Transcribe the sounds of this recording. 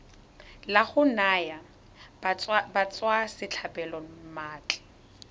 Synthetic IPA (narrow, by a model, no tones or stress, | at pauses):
laχʊnaːja | bat͡sʼwasɪt͡ɬʰapɛlɔmaːt͡ɬʼɛ̥